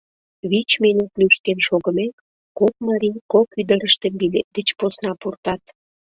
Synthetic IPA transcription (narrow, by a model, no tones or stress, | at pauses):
βit͡ɕminut̪lyʃ̚kenʃoɣəmek | kok̚mɑɾinkokyd̪əɾəʃt̪əmbilet̪̚d̪ət͡ɕposnɑpurt̪ɑt̪